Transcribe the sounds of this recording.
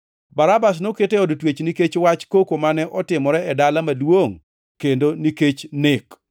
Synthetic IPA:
baɾabas̬noketeɔdtwet͡ʃniket͡ʃwat͡ʃkokomanɛʔɔtɪmɔɾɛɛdalamalwoŋ | kendoniket͡ʃnɪk

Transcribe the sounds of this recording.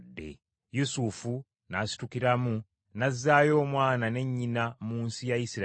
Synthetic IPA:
dːe̞̰ | jusufu | nasi̥tukiɾamu | nazːaːjo̞ːmwaːnane̞ɲːinamuːnsijajisiɾ

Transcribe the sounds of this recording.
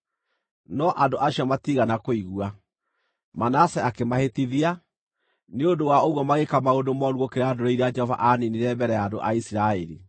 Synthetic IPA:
nɔʔandoʔaɕiɔmatiɣanakoiɣua | manasɛakemahetiðia | neondowaoɣwɔmaɣekamaodomɔɾuɣokeɾeaːdoɾeiɾead͡ʒɛhɔva̰ʔaniniɾɛbɛɾɛjaːndoʔa̰isiɾaɛɾi

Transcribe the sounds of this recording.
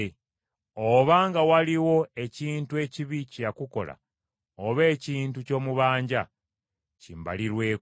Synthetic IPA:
oβaŋɡawaliwo̞e̞ciːntue̞ciβicijakuko̞̰la̰ | oβe̞ːciːntuco̞ːmuβaːɲɟa | cimba̰liɾwe̞ː

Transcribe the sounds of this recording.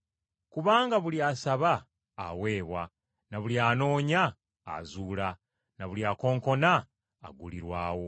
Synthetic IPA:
kuβaːŋɡaβuliasaβa̰ː | we̞ːβwa | naβuliaːno̞ːɲa̰ː | zuːla | naβuliako̞ːŋko̞na̰ː | ɡuliɾwaːwo̞

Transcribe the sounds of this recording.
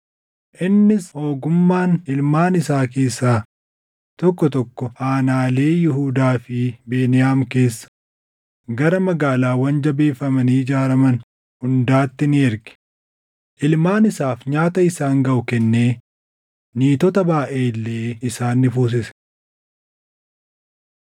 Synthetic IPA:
ʔɪnːɪsho̞ːɡʊmːaːnɪlmaːnɪsaːke̞ːsːaː | t̪ɔkːɔt̪ɔkːɔhaːnaːle̞ːjɪɦuːd̪aːfɪbe̞ːnɪjaːmke̞ːsːɐ̥ | ɡɐɾɐmɐɡaːlaːwɐnd͡ʒɐbe̞ːfːɐmɐniːd͡ʒaːɾɐmɐn | hʊnd̪aːt̪ːɪnɪɛɾɡɪ̥ | ʔɪlmaːnɪsaːfɲaːt̪ɐɪsaːŋɡɐʔʊkɛnːe̞ː | niːt̪ɔt̪ɐbaːʔe̞ːlːeːɪsaːnːɪfuːs̬ɪsɛ̥

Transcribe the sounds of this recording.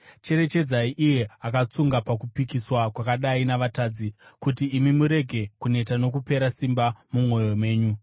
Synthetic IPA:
t͡ʃe̞ɾe̞t͡ʃe̞d͡zaiʔije̞akat͡suŋɡapakupikiswakwakaɗainaʋataːd͡zikutiːmimuɾe̞ɡʱe̞kune̞tano̞k̬upe̞ɾasimbamumo̞jo̞me̞ːɲu

